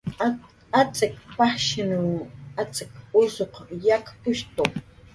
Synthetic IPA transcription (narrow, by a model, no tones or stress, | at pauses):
at͡sɪkpaχʃɪnuat͡sɪkʊsoqjakpʊʃt̪oq